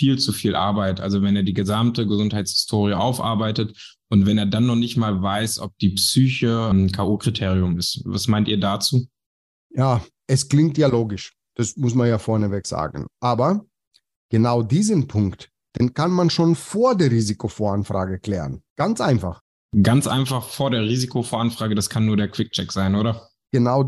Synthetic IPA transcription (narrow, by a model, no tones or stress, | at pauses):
fiːlt͡sufiːlʔa̰ɐbaɪtʔa̰lzovɛneːɐdiːɡəzamtəɡəzʊnthaɪt͡shɪ̥stʰoːʁ̞iəʔaʊfʔa̰ɐbaɪtət | ʔʊntv̥ɛneːɐdanːɔχnɪçtmaːlvaɪsʔɔp̚d̥iːpsyːçəmkʰaːʔuːkʁ̥itʰeːʁiʊmɪstvasmaɪntiːɐdaːt͡suː | jaː | ʔɛskl̥ɪŋktjaːloːɡɪʃ | d̥asmʊsmanjaːfɔɐnəvɛkz̥a̰ːɡn̩ʔaːbɐ | ɡ̥ənaʊdiːzənpʰʊŋkt | d̥eːnkanmanʃoːnfoːɐdeːɐʁiːzikʰofoːɐanfʁ̥a̰ːɡəkl̥ɛːʁənɡ̥ant͡sʔaɪnfa̰χ | ɡ̥ant͡sʔa̰ɪnfaχfoːɐɾeːɐʁiːzikʰofoːɐanfʁ̥aːɡədaskʰanːuːɐɾeːɐkv̥ɪk̚t͡ʃɛkz̥aɪnʔoːɾɐ | ɡ̥ənaʊ